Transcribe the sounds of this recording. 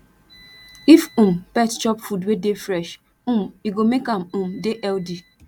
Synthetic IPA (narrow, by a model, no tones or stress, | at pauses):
ifũm̩pɛtt͡ʃɔpfudwedefɾɛʃ | ũmiɡomekamũmdeʔɛldi